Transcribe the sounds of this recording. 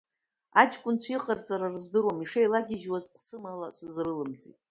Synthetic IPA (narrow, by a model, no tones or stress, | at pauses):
at͡ʃʼkʷʼʊnt͡sʷʰiqʼart͡sʼaɾarzdɨɾwomiʂejlaɡʲɪʒwazsɨmalasɨzrɨlɨmt͡sʼḭtʼ